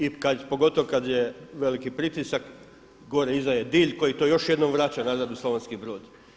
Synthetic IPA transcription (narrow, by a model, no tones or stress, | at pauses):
ikapo̞ɡo̞t̪o̞ʋkad̪jeʋe̞likipɾit̪isak | ɡoɾeizd̪ajed̪iːʎko̞jit̪o̞jo̞ʃjed̪no̞mʋɾat͡ɕanazad̪usloʋenskibɾo̞ːd̪